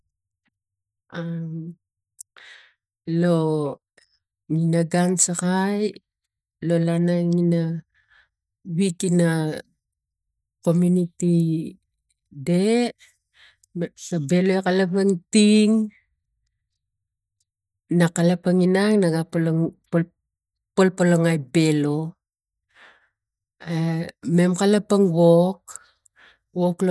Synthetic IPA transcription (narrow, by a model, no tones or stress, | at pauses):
am | lo | ŋinaɡansakaj | lo̞lanaŋina | wikina | komjuniti | de̞ | sabe̞loekalapaŋtiŋ | nakalapaŋinaŋnaɡaplp | polpoloŋajbe̞lo̞ | me̞mkalapaŋβok̚ | βokl